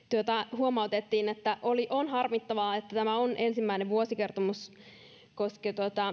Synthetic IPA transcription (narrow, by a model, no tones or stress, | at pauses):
t̪uot̪ɑhuomɑut̪et̪ːiːnet̪ːæʔoliʔonhɑrmit̪ːɑʋɑːet̪ːæt̪æmæonʔensimːæineʋʋuosikert̪omus | kosket̪uot̪ɑ